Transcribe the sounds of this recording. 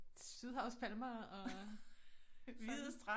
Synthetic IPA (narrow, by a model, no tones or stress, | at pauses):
syðˠɦɑ̈ʊspʰælmɑɒ̽ | ʋið̩ˠsd̥ʁɑ